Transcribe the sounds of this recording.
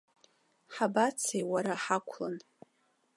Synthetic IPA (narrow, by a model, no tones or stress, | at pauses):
ħabat͡sʰejwaɾaħakʷʰla̰n